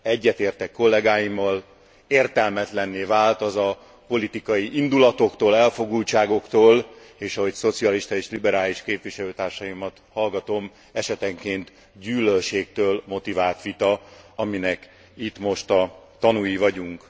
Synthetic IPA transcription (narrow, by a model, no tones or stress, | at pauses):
ɛɟːɛt̪eːrt̪ɛkːo̞lːɛɡaːjimːɒl | eːrt̪ɛlmɛt̪lɛnːeːvaːlt̪ɒzɒ | po̞lit̪ikɒjiʔind̪ulɒt̪o̞kt̪oːlɛlfo̞ɡult͡ʃaːɡo̞kt̪oːl | eːʃɒɦo̞cso̞t̪siɒliʃt̪ɒeːʃlibɛɾaːliʃkeːpvʋiʃɛløːt̪aːrʃɒjimɒt̪hɒlɡɒt̪o̞m | ɛʃɛt̪ɛŋkeːnt̪ | ɟyːlølʃeːk̚t̪øːlmo̞t̪ivaːlt̪ʋit̪ɒɒminɛk | it̪mo̞ʃt̪ɒt̪ɒnujivɒɟuŋk